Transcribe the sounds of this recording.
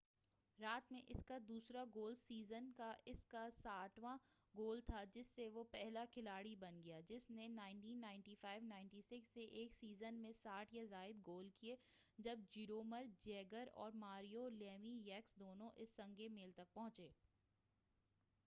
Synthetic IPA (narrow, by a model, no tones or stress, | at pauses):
ɾaːt̪mẽʔɪskad̪uːsɾaɡoːlsiːzənkaʔɪskasaːʈʰʋã | ɡoːlt̪ʰad͡ʒɪsːeʋopɛɦlakʰɪlaːɽibɐnɡɐjad͡ʒɪsnenaːɪ̃ɳʈiːnːaːɪ̃ɳʈifaːɪʋnaːɪɳʈisɪksːeʔeːksiːzənmẽsaːʈʰjazaːɪd̪ɡoːlkie | d͡ʒɐb̚d͡ʒiːɾoːməɾd͡ʒɛːɡəɾɔ̰ːɾmaːɾijolɛːmijɛːksd̪oːnõʔɪsːɐ̃ŋɡemeːlt̪ɐk̚pɐ̃ɦʊ̃t͡ʃeː